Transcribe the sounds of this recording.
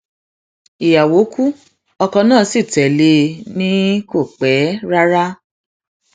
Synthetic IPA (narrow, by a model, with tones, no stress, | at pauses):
i˨ja˨wo˨˦kʰu˦ | ɔ˧kɔ̃˧nãː˦˨˦si˦˨tɛ˨le˧nĩ˦ko˦˨k͡pɛ˨˦ɾa˦ɾa˦